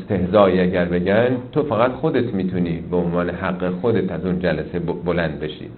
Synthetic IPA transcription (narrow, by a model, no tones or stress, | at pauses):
st̪e̞hzɒːiːæɟæɾbe̞ɟænt̪ʰofæɣæt̪xod̪et̪ʰmiːt̪ʰuniːbeonvɒːneɦæɡːexod̪et̪ʰæzund͡ʒælæsebbolænd̪̚be̞ʃḭː